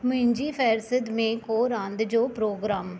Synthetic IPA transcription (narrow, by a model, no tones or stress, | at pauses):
məɦɪɲd͡ʒiːpʰɛːɾsəd̪mẽːkoːɾãːnd̪d͡ʒoːpɾoːɡɾaːm